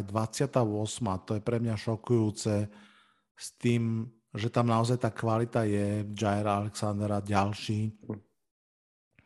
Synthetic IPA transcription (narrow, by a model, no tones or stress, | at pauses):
d̪ʋat͡sɪat̪aʊɔsmat̪ɔjɛpɾɛmɲaʃɔkujuːt͡sɛ | st̪iːm | ʒɛt̪amnaɔzajt̪aːkʋalit̪ajɛd͡ʒajɛɾaalɛksand̪ɾaɟalʃiː